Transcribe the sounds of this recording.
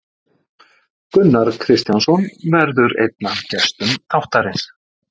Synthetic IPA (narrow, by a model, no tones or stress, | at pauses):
kʏnːaɾ̥kʰɾɪst̪jansɔnvɛɾðʏɾḛjt̪̚nacɛst̪ʏmθʰawht̪aɾɪns